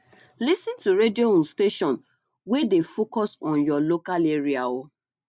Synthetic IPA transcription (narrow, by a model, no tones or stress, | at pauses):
lisĩntuɾedioũnsteʃɔ̃n | wɛdefokɔsɔ̃njɔlokaleɹiao